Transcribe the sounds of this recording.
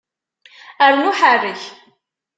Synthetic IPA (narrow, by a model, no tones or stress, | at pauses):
æɾnuħarːəç